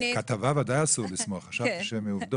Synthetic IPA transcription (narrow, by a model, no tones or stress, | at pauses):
kat̪avavadajasuʁlˠɪsmɔχaʃavt̪iʃɛmɛuvd̪o